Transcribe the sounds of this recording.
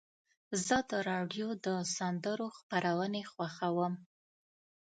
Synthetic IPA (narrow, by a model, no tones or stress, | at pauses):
zəd̪əɾɑɖjod̪əsand̪əɾoxpaɾawənexwaxawəm